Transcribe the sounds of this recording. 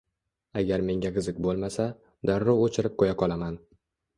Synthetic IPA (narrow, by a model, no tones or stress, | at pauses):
aɡʲaɾme̞ŋɡʲaqɨzɪk̚ʲbolˠmasa | d̪aɾːowot͡ʃʰɪɾɪp̚kʰojaqʰɒlˠaman